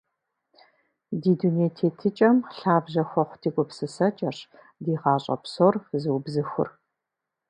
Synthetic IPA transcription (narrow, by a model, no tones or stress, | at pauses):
diːduneːtʰeːtʰɨt͡ʃʼɐmɬaːbʑɐxʷɔχʷʊtʰiːkʷʼʊpsɨsɐt͡ʃʼɐɕ | diːʁɑːɕʼɐ̰psorzɨwbzɨxʷʊ̰r